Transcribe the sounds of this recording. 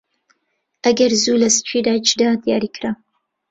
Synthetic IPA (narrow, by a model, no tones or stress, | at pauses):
ɐɡɐrzuːlɐsɨ̥t͡ʃʷʰiːdaːt͡ʃdadjaːɾiːkʰra